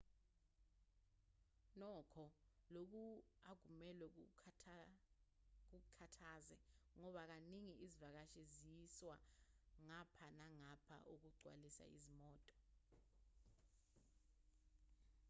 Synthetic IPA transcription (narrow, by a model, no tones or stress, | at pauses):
nɔkʰɔlok̬uaɡ̥ʱumɛlwɛ | k̬ukʰatʰaːzɛŋɔɓak̬aniŋiʔizivak̬aʃɛzijiswaŋapʰanaŋapʰa̰ʔok̬uɡ͡ǀʱwa̰lisa̰ḭzimɔːtʼɔ̥